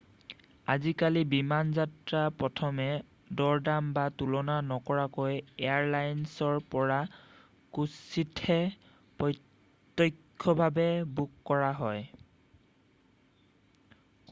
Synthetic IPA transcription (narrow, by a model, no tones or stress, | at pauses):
azikalibimanzatɹapɹɔtʰɔmɛ | dɔɹdambatulɔnanɔkɔɹakojeaɹlajnsɔɹpɔɹa | kusitʰɛ | pɔj | tːɔjkʰːɔbʱabɛbukːɔɹaɦɔj